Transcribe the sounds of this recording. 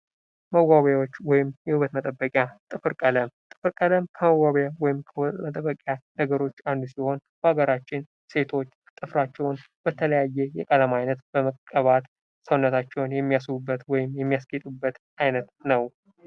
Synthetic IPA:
məwaβjawot͡ʃːwɔjɪmjɛhuβət̪mət̪ʼəbːəkʼjat̪ʼɨfɨɾkʼələmt̪ʼɨ̥fɨɾkʼələmkʰəməwːaβjawɔjɪmkʰəmət̪ʼəbːəkʼjanəɡəɾo̞t͡ʃːand̪usiho̞nbəhaɡəɾat͡ʃːɪn | se̞t̪ʰo̞t͡ʃː | t̪ʼɨfɾat͡ʃːɛwn | b̥ət̪ʰələjajːɛjɛkʼəlamajnət̪bəməkkʼːəβat̪ | səwnːət̪ʰat͡ʃːɛwnjɛmːijasɨβubːət̪wɔjɪmjɛmːijasɡet̪ʼubːət̪ | ajnət̪nəw

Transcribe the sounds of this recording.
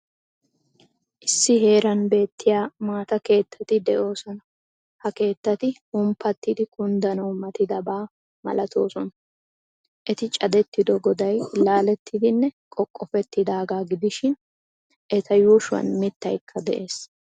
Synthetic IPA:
ʔɪsːɪɦe̞ːɾɐnbe̞ːt̪ːɪjaːmaːt̪ɐke̞ːt̪ʰːɐt̪ɪd̪ɛʔo̞ːsɔnɐ | hɐke̞ːt̪ːɐt̪ɪhʊmpːɐt̪ːɪd̪ɪkʊnd̪ɐnɐwmɐt̪ɪd̪ɐbaː | mɐ̰lɐt̪ʰo̞ːsɔnɐ | ʔɛt̪ɪt͡ʃʼɐd̪ɛt̪ːɪd̪ɔɡɔd̪ɐjlaːlɛt̪ʰːɪd̪ɪnːɛkʼɔkʼːɔfɛt̪ːɪd̪aːɡaːɡɪd̪ɪʃɪn | ʔɛt̪ʰɐjuːʃʊwɐ̰nmɪt̪ːɐjkʰːɐd̪ɛʔe̞ːs

